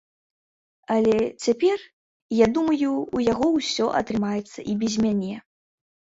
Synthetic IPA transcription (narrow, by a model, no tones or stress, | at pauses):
ɐlʲɛt͡sʲapʲɛr | jad̪umɐjuːjaɣɔwsʲɔʔɐ̰t̪ɾɨmajɛt̪sːɐʔibʲɛzʲmʲanʲɛ